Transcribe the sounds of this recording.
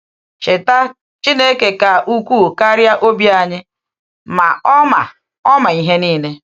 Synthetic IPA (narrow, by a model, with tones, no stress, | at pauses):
ʃɪ˨ta˦ | t͡ʃi˦ne˦ke˦ka˨ʔu˦kʷu˦˨ka˦ɾja˦ʔo˦bja˦ɲɪ˦ | ma̰˨˦ma̰˨ | ɔ˦ma˨i˦ɦe˦niː˦ne˦